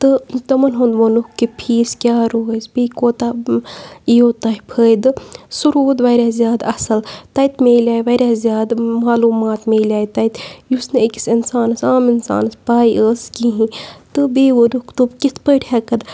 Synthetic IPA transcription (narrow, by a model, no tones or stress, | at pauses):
t̪ɨt̪ɐmɐnɦund̪ʋonukːipʰiːskʲjaːɾoːsbiːkoːt̪a | ijoːt̪ɐɦipʰəːjd̪ɨsuɾuːd̪ʋɐjɾʲaːzjaːd̪ɐsɐlt̪ɐjt̪ʰmeːlʲjaːjʋɐɾʲaːzjaːd̪maːluːmaːt̪meːlaːjt̪ɐjt̪jusnɨeki̥sinsaːnɐsaːminsa̰ːnɨspaːiəːskiɦĩt̪ɨbiːʋonukt̪ubkit̪ʰpəːʈʰeːkɐd̪